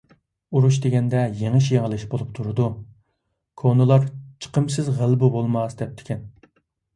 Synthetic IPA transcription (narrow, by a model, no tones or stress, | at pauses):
uɾuʃ̬d̪eɡʲɛnd̪ɛjeŋɪʃjeŋəlˠɪʃbolˠup̚t̪ʰuɾɨd̪u | kʰonɨlˠɑɾt͡ʃʰə̥qʰəmsɨzʁælˠbɨbolˠmɑsd̪ɛp̚t̪ʰɪ̥kʲʰɛn